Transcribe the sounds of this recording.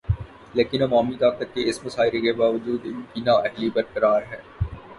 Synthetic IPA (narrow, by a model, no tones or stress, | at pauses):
leːkɪnɐʋaːmit̪aːkət̪̚keɪsmʊsaːɪɾekebaːʋəd͡ʒuːd̪bɪnãʔɛɦlibɐɾkɐɾaːɾɦɛː